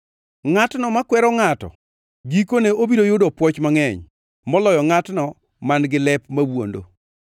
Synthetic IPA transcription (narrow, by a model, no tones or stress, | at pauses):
ŋatnɔmakwɛɾɔŋatɔ̰ | ɡikoneobidojʊdɔpwɔt͡ʃmaŋɛɲ | mɔlɔjɔŋatnɔ | manɡɪlɛpmawwo̰ndo̰